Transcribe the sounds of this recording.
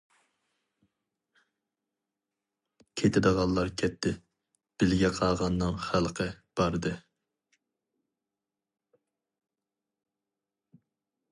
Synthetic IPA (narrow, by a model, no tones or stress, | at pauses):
kʲʰet̪ʰɪd̪əʁɑlˠːɑɾkʲʰɛp̚t̪ʰɪ | b̥ɪlɡʲɛqʰɑːʁɑnːɨŋχælˠqʰəb̥ɑɾɨd̪ɨ